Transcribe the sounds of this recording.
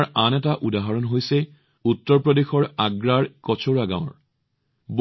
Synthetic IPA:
ɹanɛtaʔudaɦɔɹɔnɦojsɛ | utːɔɹpɹɔdexɔɹaɡɹaɹkɔt͡ʃʰoɹaɡã̰ʊ̃ɹ | b

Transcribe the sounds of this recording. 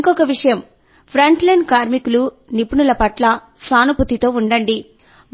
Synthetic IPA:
ŋkɔkɐʋiʂɐjɐm | pʰɾɐɳʈlɐjnɖkaːɾmikulu | nipunulɐpɐʈlɐ | saːnuput̪it̪o̞ːuɳɖɐɳɖi | m

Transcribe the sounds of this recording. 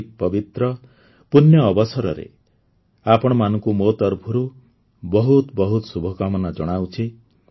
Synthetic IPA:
k̚pɔbit̪ɾɔ | punjɔːbɔsɔɾɔɾḛ | apɔɽ̃ɔmanɔŋkumot̪ɔɾbʱuɾu | bɔɦut̪bɔɦut̪ɔsubʱɔkamɔnad͡ʒɔɽ̃awt͡ʃʰi

